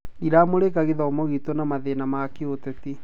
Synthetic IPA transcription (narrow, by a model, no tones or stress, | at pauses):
niɾamoɾekaɣiðaɔmoɣitonamaðenamakeotɛti